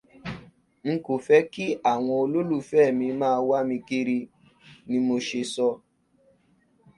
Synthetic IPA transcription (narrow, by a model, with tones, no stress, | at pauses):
ŋ̩˦ko˨fɛ˦ki˦a˦˨w̃ɔ̃˧o˧lo˦lu˦˨fɛː˦˨mĩ˧mãː˦˧wa˦mĩ˧ki˦ɾi˧ | nĩ˧mo˧ʃe˧sɔ˧